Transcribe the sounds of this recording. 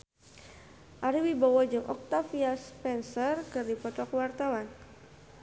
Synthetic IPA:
ʔaɾiwibawɔd͡ʒɨŋʔɔk̚t̪afiaspɛnsərkɨrdipɔt̪ɔkwart̪awan

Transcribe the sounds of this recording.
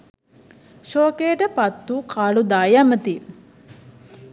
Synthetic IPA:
ʃoːkeːʈəpat̪ːuːkʰaːlud̪aːjamət̪i

